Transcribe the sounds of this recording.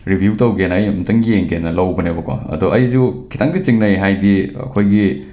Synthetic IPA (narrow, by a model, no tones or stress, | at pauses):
ɾibʱjuwtɐwɡenɐjmtɐŋɡijeŋɡenɐlɐwbɐnebɐkʰo̰ɐ̰dɔʔɐjzukʰitʰaŋdit͡ʃiŋnɐjɦajdiɐ̰kʰojɡi